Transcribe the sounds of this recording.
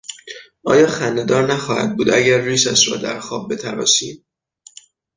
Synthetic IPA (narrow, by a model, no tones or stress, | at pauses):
ʔɒːjɒːxænːed̪ɒːɾnæxɒːhæ̰d̪̚buːd̪ʔæɟæɾːiːsæʃɾɒ̰ːd̪æ̰ɾxɒːb̚ːe̞t̪ʰæɾɒ̰ːsiː